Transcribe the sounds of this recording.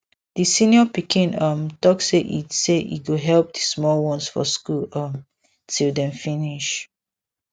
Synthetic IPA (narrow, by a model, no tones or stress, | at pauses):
disĩnjɔpikĩnʌ̃mtɔk̚seʔḭseʔḭɡoɦɛlp̚dəsmɔlwɔ̃nsfɔ̰skulʌm | tʰildɛ̃mfĩniʃ